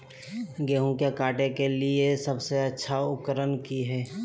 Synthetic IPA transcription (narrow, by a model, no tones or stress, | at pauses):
ɡeːɦũkekaːʈekeliesəbseɐtːʃʰaʊkːəɾənkiɦɛː